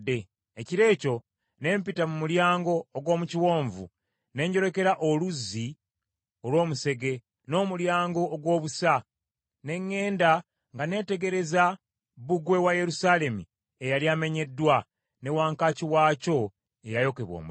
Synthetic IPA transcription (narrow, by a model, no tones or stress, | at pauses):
dːe | eciɾe̞ːco̞ | ne̞ːmpitamumuljaːŋɡo̞ːɡwo̞ːmuciwo̞ːɱvṵ | ne̞ːɲɟo̞ɾe̞ke̞ɾaʔo̞luzːi | o̞lwo̞ːmuse̞ɡe̞ | no̞ːmuljaːŋɡo̞ʔːɡwo̞ːβusa | ne̞ŋːe̞ːnda | ŋɡane̞ːte̞ɡe̞ɾe̞za | βuɡwe̞waje̞ɾusale̞mu | e̞jaliaːme̞ɲe̞dːwa | ne̞waːŋkaciwaːco̞ | e̞jajo̞ke̞βwo̰ːm